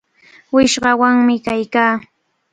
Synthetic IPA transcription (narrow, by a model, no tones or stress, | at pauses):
wɪʃɢɑwaŋmɪkajkaː